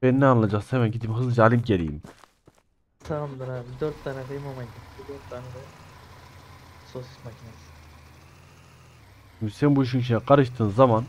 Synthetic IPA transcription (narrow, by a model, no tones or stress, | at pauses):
eninɛanlˠad͡ʒakshemænɟid̪imɦɯzlˠɯd͡ʒaːlʲimɟelʲḭḭm | t̪ʰaamd̪ˠaɾad̪øɾt̪ːanɛɡɯjmamajit̪id̪øɾt̪ʰːaːnɛd̪ɯ | sosɯ̥macʰinasi̥ | mysɛbuiʃ̬iniʃ̬inɛqʰaɾɯʃt̪ʰɯːnzaman